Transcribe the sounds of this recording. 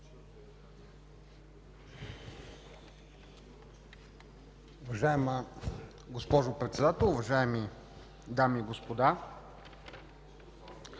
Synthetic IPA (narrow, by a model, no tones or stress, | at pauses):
ʊvɐʒaɛmə | ɡospɔʒʊpɾɛt̪sɛd̪at̪ɛlˠʊvɐʒaɛmi | d̪amiːɡospod̪a